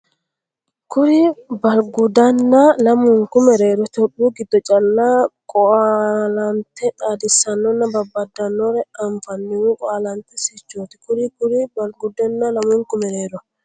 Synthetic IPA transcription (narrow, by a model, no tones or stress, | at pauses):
kʊɾibɐlɡʊd̪ɐnːalɐmʊŋkʊmɛɾeːɾɔt̪ɔɗuːɡɪd̪ːɔt͡ʃʼɐlːaːkʼɔalɐnt̪ɛt̪ʼaːd̪ɪsːɐnːɔnːɐbɐbːɐd̪ːɐnːɔɾɛɐɱfɐnːɪwukʼɔalɐnt̪ɛsɛt͡ʃːoːt̪ɪ̥kʊɾikʊɾibɐlɡʊd̪ɔnːalɐmʊŋkʊmɛɾeːɾɔ